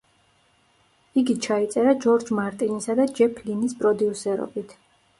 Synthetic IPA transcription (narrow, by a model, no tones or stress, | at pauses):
iɡit͡ʃʰait̪sʼɛɾad͡ʒɔɾd͡ʒmaɾt̪ʼinisad̪ad͡ʒɛpʰlinispʼɾɔd̪iusɛɾɔ̰bit̪ʰ